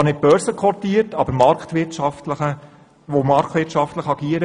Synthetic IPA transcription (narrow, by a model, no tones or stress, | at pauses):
ɑnɪt̚b̥œɾsəkʰɔtiəɾtɑbəɾmɑɾktʋɪtʃɑftləχə | ʋomɑɾkʰtʋɪtʃɑftləχɑɡiːəɾə